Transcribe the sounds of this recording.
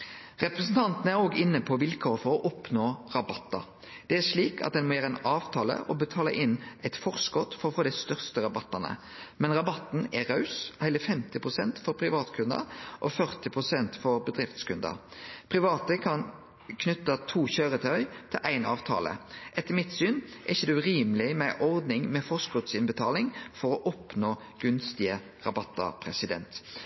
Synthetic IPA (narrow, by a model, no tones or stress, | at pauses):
ʁɛpɾəsn̩t̪ʰɑnt̪ənəæɾoːɡɪnːəpʰɔʋɪlkʰɔʁfɔʁɔʔɔpnoːʁɑbɑt̪ːɑ̰ | d̪̥ɛæʂɭiːkʰɑ̰t̪̚d̪ɛnmɔjæːɾɛnɑːʋt̪ʰɑːlə̰ʔɔbət̪ʰɑːləʔɪnːæɪt̪fɔʁskɔt̪fɔɾɔfoːd̪æɪst̪œʁst̪əɾɑbɑt̪ːɑnə̰ | mɛnʁɑbɑt̪n̩æʁɑʉshæɪləfɛmt̪ɪpʰʁʊsɛnt̪fɔɾpʰʁɪʋɑːt̪kʰʉnd̪ɑ̰ʔɔfœʁt̪ɪpʰʁʊsɛnt̪fɔɾbəd̪ʁɪft̪skʉnd̪ɑ̰ʁpʰʁɪʋɑːt̪əkʰɑn | kʰnʏt̪ːɑt̪ʰuːçøːɾət̪ʰœʏt̪ʰɪlʔæɪnɑːʋt̪ʰɑ̰ːlə̰ʔɛt̪ːəmɪt̪syːnʔɛɪçəd̪ɛʉʁiːmlɪmɛʔɔʁd̪nɪŋmɛfɔʁskɔt̪sɪnbət̪ʰɑːlɪŋfɔɾɔʔɔpnoː | ɡ̥ʉnst̪ɪə | ʁɑbɑt̪ːɑ̰pʰʁɛsɪd̪ɛ̰nt̪